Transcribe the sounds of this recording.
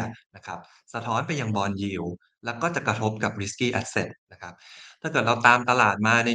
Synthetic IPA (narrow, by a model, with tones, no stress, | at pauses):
na˦˥kʰa˦˥p̚ | sa˧t̪ʰɔː˦˥npa˧jːa˧ŋbɔː˧nji˨˩w | lɛː˦˥wkɔː˥˩t͡ɕa˨˩kɾa˧t̪ʰo˦˥p̚ka˨˩p̚ɾi˦˥skiː˥˩ʔa˦˥t̪̚se˨˩t̪̚na˦˥kʰa˦˥p̚t̪ʰaː˥˩kɤː˨˩t̪̚ɾa˧wt̪aː˧mt̪a˧laː˨˩t̪̚maː˧na˧